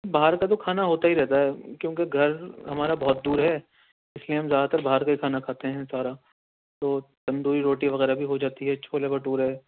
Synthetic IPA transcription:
baɦaɾkat̪̬okʰaːnaɦoːt̪aɦiɾɛɦt̪aɦɛkjõːkeɡʱɐɾɦɐmaːɾabɔɦːt̪̚d̪uːɾɦɛː | ɪslieɦɐmzjaːd̪at̪ɐɾbaɦɾkaikʰaːnakʰaːt̪eɦɛ̃saːɾa | t̪oːt̪ɐ̃nd̪uːɾiɾoːʈiʋɐɣɛːɾabʱiɦod͡ʒaːt̪iɦɛt͡ʃʰoːlebɐʈuːɾɦɛː

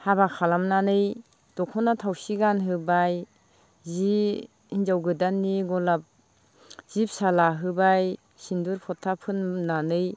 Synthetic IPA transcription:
haβakʰalamnanɯj | d̥ɔkʰɔnatʰawsiɡanɦɯbaj | zi | ind͡ʒawɡɯdanːiɡɔlap̚ | z̥ip̚salaɦɯbaj | sinduɾpʰɔtʰːapʰɯnːanɯj

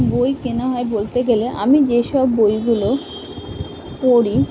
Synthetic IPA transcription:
bojkenaɦɔebolt̪eɡeleʔa̰mid͡ʑeʃɔbːojɡulo | koɾi

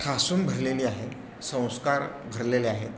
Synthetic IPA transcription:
ʈʰasuːnbʱəɾleliːaɦe | sə̃w̃skaɾbʱəɾleleaɦet̪

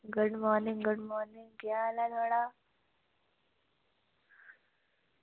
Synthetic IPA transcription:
ɡʊɖmɔːɾnɪŋɡʊɖmɔːɾnɪŋɡjalad̪ʱoɽa

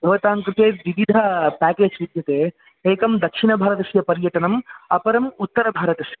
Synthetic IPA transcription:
bʱɐʋɐt̪aːŋkɾɪt̪eːʋiʋid̪ʱɐpæːkeːd͡ʒʋid̪ʱjɐt̪eː | eːkɐmd̪ɐkʂinɐbʱaːɾɐt̪ɐʃjɐpɐɾjɐʈɐnɐmɐpɐɾɐmut̪ːɐɾɐbʱaːɾɐt̪ɐʃjɐ

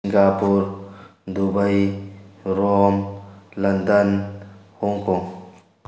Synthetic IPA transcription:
ŋɡapuɾd̪ubəj | ɾoːmlɐnd̪ənhuŋkõ

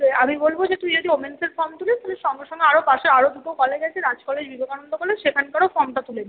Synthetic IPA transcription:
amibolbod͡ʑet̪umid͡ʑod̪iomenseɾfɔɾmt̪ulet̪ʰɔleʃɔŋɡeʃɔŋɡeaɾopaʃeɾaɾod̪upokɔleɡɛt͡ɕʰeɾad͡ʑkɔled͡ʑbibʱokanond̪okɔled͡ʑʃekʰankaɾofɔɾmʈat̪ulen

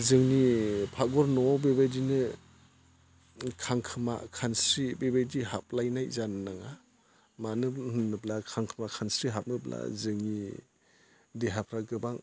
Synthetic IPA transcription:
zɯŋnipʰaɡɔɾnɔbebajdinɯ | kʰaŋkʰɯma̰kʰansɾibebajdiɦap̚lajnajzannaŋa | manɯhɯnːɯblakʰaŋkʰɯmakʰansɾiɦap̚nɯpla̰zɯŋni | deɦapʰɾaɡɯbaŋ

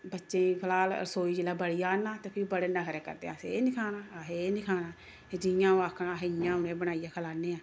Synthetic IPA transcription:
bətːʃẽːkʰəlaːlə̰ɾsoːiːd͡ʒilaːbəɽijaːnaːt̪eːpʰɪɾbəɽenãːkʰəɾeːkə̰ɾd̪ḛːaːsḛnɪkʰaːnaːasenɪkʰaːnaː | ed͡ʒɪjãːõakʰːaːɦjãːʊnẽːbəɽaːijaːkʰəlaːneːãː

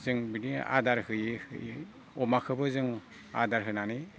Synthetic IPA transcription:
zɯŋbinia̰daɾhɯjihɯ̰ | ɔmakʰɯbɯzɯŋ | a̰daɾɦɯnani

